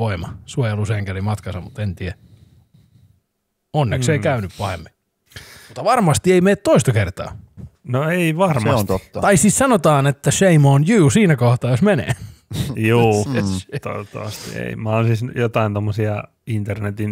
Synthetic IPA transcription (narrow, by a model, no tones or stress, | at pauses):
oimɑ̰suojeluseːŋkælimɑt̪kɑsɑmut̪ent̪iæ | onːesseikæynyppɑhḛmːi | mut̪ːɑʋɑrmɑst̪ieimeːt̪t̪oist̪ɑkert̪ɑ̰ːnoeiʋɑrmɑnt̪ot̪ːɑt̪ɑisissɑnot̪ɑːnet̪ːæʃeimoːnjyːsiːnækoht̪ɑːjosmenḛːjuːt̪o̰t̪ːɑ̰ʋɑst̪ḭḛimæonsisjot̪ɑint̪omːosiɑ | int̪ernet̪in